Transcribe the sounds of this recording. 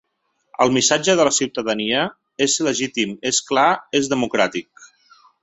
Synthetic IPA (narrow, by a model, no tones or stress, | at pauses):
ə̰lˠmisad͡ʒəðələsiwt̪əðəniə | ezləʒit̪imesklaezðəmukɾat̪ik̚